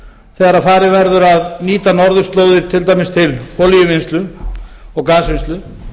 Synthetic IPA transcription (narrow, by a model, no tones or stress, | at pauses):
θɛːɣaɾaðfaːɾɪvɛɾðʏɾaðniːt̪anɔɾðʏ̥st̪loːwðɪɾ̥t̪ʰɪlt̪ajmɪst̪ʰɪlhʰɔljʏvɪnst̪lʏ | ɔɣkaːsvɪnst̪lʏ